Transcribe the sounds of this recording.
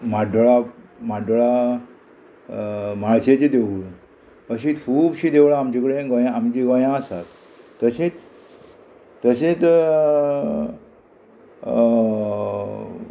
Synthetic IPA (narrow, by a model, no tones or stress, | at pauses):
maɖʱoɭa | maɖoɭa | maɭset͡ɕed̪eʋɭ | əɕit̪kʰuːbɕid̪ewɭaamt͡ɕikɽẽɡɔjãamt͡ɕiɡɔjãəsa̰t̪ | t̪əɕet͡s | t̪əɕet͡s